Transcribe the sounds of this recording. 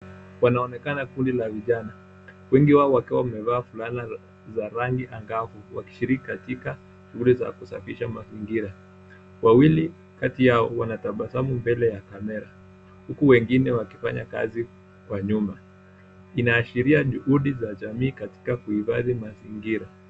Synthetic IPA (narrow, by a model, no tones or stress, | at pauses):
wanaɔnɛkanakundilaviʄana | wɛŋɡiwaɔwakɛwamɛvaːfulana | zaɾaŋɡiʔaŋɡafuwa̰ki̥ʃiɾiki̥katika | ʃuhuliza̰kusa̰fiʃamaziŋɡiɾa | wawili | katijaɔwanataɓasamumbɛlɛjakamɛɾa | hukuwɛŋɡinɛwakifa̰ɲaka̰zi | kwaɲuma | inaːʃiɾiaʄuhuɗizaʄamiːkati̥kakuifaðimaziŋɡiɾa